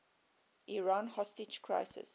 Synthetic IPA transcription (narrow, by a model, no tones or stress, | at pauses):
ʔiɹãnhɔstɪt͡ʃkʰɹa̰ɪsɪ̰s